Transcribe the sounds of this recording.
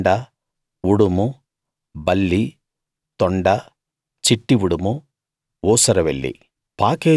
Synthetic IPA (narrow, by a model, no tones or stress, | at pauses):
ɖɐ | uɽumu | bɐlːi | t̪ɔɳɖɐ | t͡ʃiʈːiʋuɽumu | uːsɐɾɐʋeɭːḭ | paːkeː